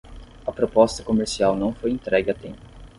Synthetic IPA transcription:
ɐpɾopɔst̪ɐkomeɾsiawnɐ̃w̃fojẽnt̪ɾɛɡɪɐt̪ḛ̃mpʊʊ

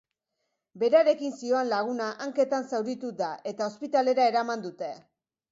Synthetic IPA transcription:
be̞ɾaɾe̞kinsio̞anlaɣ̞unaʔaŋke̞t̪ansawɾit̪ud̪aʔe̞t̪ao̞spit̪ale̞ɾae̞ɾamand̪ut̪e̞

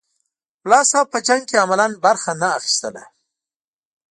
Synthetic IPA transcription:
wlɑsapəd͡ʒaŋɡ̚keamalanbaɾxanaːxi̥st̪əla

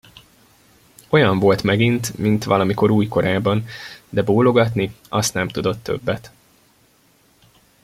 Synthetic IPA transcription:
o̞jɒɱvo̞lt̪mɛɡint̪mint̪ʋɒlɒmiko̞ɾuːjko̞ɾaːbɒnd̪ɛboːlo̞ɡɒt̪niɒst̪nɛmt̪ud̪o̞t̪ːø̞̰bːɛt̪

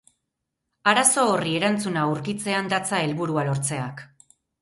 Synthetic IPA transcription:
aɾaso̞ːrie̞ɾant͡sunauɾkit͡se̞and̪at͡sae̞lβuɾualo̞ɾt͡se̞ak

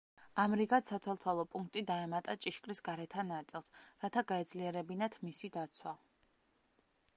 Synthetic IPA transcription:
amɾiɡat̪sat̪ʰwɛlˠt̪ʰalˠɔpʼuŋk̚ʰt̪ʼid̪aɛmat̪ʼat͡ʃʼiʃkʼɾisɡaɾɛt̪ʰanat̪sʼilˠsɾat̪ʰaɡaɛd̪zliɛɾɛbinat̪ʰmisid̪at̪sʰwa

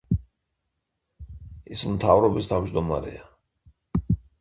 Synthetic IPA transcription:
ismt̪ʰavɾɔbist̪ʰavd͡ʒd̪ɔmaɾɛ̰a

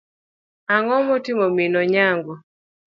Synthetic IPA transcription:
aŋɔmɔtimɔminɔɲaŋɡɔ

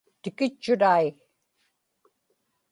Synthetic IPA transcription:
t̪ɪkɪt͡ʃːʊɾaj

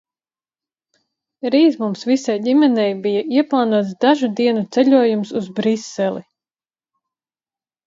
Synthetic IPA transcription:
ɾiːzmumsvisajɟimɛnɛjbijaiɛplˠaːnuɔt̪sd̪aʒud̪iɛnut̪sɛʎʲuɔjumsuzbɾisːɛlˠi

